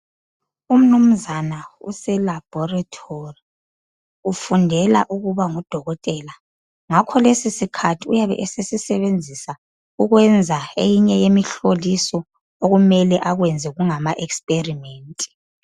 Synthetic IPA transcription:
um̩num̩zanaṵsɛlab̥ʱɔratʰori | ufundʱɛla̰ʔuɣuβaŋud̥ʱɔɣɔtʼɛːla | ŋakʰɔlesisikʰatʰiujaβɛ̰ʔesesisɛβend͡zʱisa | uɣwɛnd͡zʱaḛjiɲɛjemiɬolisɔ | oɣumɛlɛʔaɣwɛnd͡zʱɛɣuŋamaʔɛkspʼerimeːntʼi̥

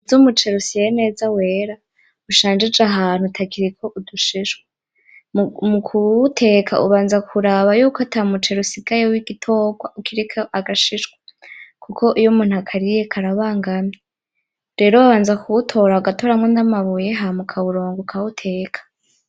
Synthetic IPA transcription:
zumut͡ʃe̞ɾusijene̞ːzawe̞ːɾa | uʃaːnd͡ʒed͡ʒaɦaːn̥hutʰakiɾikʰo̞ʔuduʃiʃwe | mukʰutʰe̞ːkʰa̰ʔṵβaːnzakʰuɾaβajuːkatʰamut͡ʃe̞ɾusiɡajewiɡ̥itʰo̞ːɡwaʔukʰiɾikʰaʔaɡaʃiʃɡwakʰukʰo̞ʔijomuːnhuakʰaɾijekʰaɾaβaːŋɡame | ɾe̞ːɾoaβaːnzakuutʰo̞ːɾaɡato̞ːɾamŋwonamaβujeɦamukʰauɾoːŋɡokʰautʰe̞ːkʰḁ

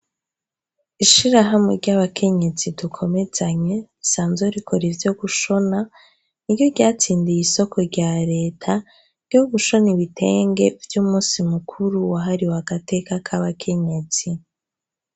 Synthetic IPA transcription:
iʃiɾaɦamŋeɾɟaβakʰe̞ɲe̞zidukʰo̞me̞z̥aɲe̞isaːnzeɾikʰo̞ɾivjo̞ɡuʃo̞na | niɾɟo̞ɾɟaːt͡siːndijiso̞kʰo̞ɾɟaːɾe̞ːtʰa | ɾjɟo̞ɡuʃo̞niβite̞ːŋɡe̞vjuːmuːsimukʰuɾuwaɦaɾiwaɡate̞kakʰaβakʰe̞ɲe̞t͡si

